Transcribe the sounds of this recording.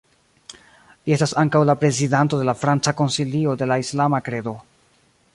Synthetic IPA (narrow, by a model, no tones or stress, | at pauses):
lie̞stasaŋkawlapɾe̞zidanto̞de̞lafɾant͡sako̞nsilio̞de̞laislamakɾe̞do̞